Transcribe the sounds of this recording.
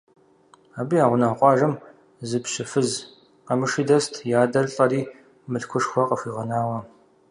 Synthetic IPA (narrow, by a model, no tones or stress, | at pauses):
aːbijaːʁʷʊnaːqʷʼɑːʒɐm | zɨpɕɪfɨz | qɐmɨʂidɐstʰjaːdɐrɬʼɐriː | mɨɬkʷʰʊʂxʷɔqɐxʷiːʁɐnaːwɐ